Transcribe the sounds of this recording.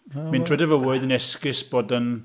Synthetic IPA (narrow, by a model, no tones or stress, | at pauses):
mĩndʰr̥ɛdəvəwoɨðənɛskɪsb̥oːdən